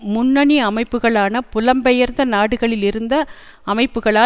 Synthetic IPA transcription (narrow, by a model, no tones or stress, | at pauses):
mʊnːɐɳiɐmɐɪpːɯɣɐɭaːnɐpʊlɐmbɛjɐɾnd̪ɐnaːɽɯɣɐɭɪlɪɾɯnd̪ɐ | ɐmɐɪpːɯɣɐɭaː